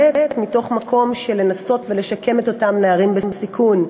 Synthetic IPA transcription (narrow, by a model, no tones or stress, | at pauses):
eetmito̞χmakʰo̞mʃe̞le̞naso̞tvele̞ʃake̞me̞to̞tamneaʁimbembsikun